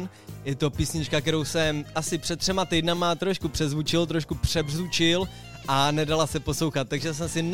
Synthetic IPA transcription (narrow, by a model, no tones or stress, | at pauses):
n | jɛt̪o̞piːsɲɪt͡ʃkak̚tɛɾo̞wsɛmasɪpr̥ɛt̪t̪ːr̥ɛmat̪ɛjdnamaːt̪ɾo̞ʃkupr̥ɛzvut͡ʃɪlt̪ɾo̞ʃkupr̥ɛbrzut͡ʃɪl | ʔanɛdalasɛpo̞slowxat̪̚ːaɡʒɛs̬ɛmsɪn